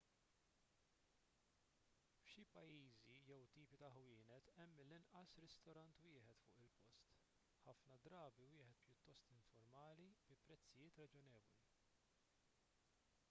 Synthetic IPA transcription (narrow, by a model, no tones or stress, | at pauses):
fʃipɐjiːzijɛwt̪iːpit̪ɐħwɪːnɛt̪ɛmːɪlːɪnʔɐsɾɪst̪ɔɾɐnt̪wɪːħɛt̪fʊ̰ːʔɪlpɔst̪ | ħɐfnɐd̪ɾɐːbiwɪːħɛt̪̚pjʊt̪ːɔst̪ɪɱfɔɾmɐːlibɪpːɾɛt͡sːɪjɪːt̪ɾɐd͡ʒɔnɛːvɔli